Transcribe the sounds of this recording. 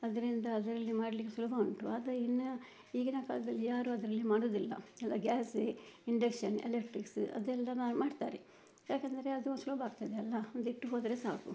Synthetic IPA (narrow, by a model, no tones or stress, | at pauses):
ɐd̪ɐɾind̪ɐːd̪ɐɾɐlːimaːɽlikːesulubʱɐoɳʈuad̪ɐinːɐ | iːɡinɐka̰ːlɐd̪ɐlːijaːɾuːɐd̪ɐɾɐlːimaːɽoːd̪ilːɐ̰ɛlːɐ̰ɡaːseiɳɖekʂɐnḛlekʈɾiksɐ̰d̪ɛlːɐmaːɖt̪aːɾe | jaːkeːnd̪ɐɾe̞ɐd̪uonsulɐbɐaːɡ̚t̪ɐd̪eɐlːɐond̪uiʈːuɦoːd̪ɐɾesa̰ːku